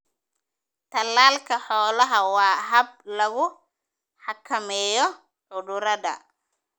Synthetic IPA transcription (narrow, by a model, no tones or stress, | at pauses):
t̪ʰɐlːaːlkʰɐħɔːlɐɦɐwɑːɦɐb̚lɐɣʊ | ħɑkʰɐmɛːjɔ | ʕʊðʊɾɐdɐ̰